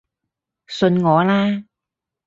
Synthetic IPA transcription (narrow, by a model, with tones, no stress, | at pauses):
sə˧nŋɔː˨˦laː˧